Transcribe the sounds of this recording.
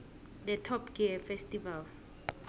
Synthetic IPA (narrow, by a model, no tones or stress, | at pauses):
dɛtʰɔpɡiɛfɛstʼival